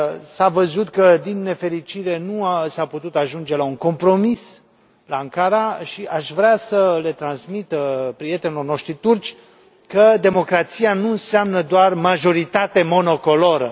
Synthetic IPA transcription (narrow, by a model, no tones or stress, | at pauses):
savəzut̪kəd̪inːe̞fe̞ɾit͡ʃiɾe̞nuasaput̪ut̪aʒund͡ʒe̞lauŋko̞mpɾo̞mis | laaŋkaɾaʃiʔaʃvɾeasəle̞t̪ɾansmit̪pɾije̞t̪enilorno̞ʃt̪ɾit̪urt͡ʃʲ | kəd̪e̞mo̞kɾat̪sianuɨnseamnəd̪oarmaʒo̞ɾit̪at̪e̞mo̞no̞ko̞loɾə